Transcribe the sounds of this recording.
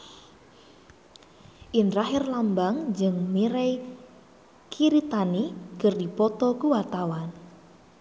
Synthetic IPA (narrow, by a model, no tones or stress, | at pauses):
ʔɪnraɦɪrlambaŋd͡ʒɨŋmiɾej | kʰiɾit̪aniɡərdipɔt̪ɔkuwat̪awan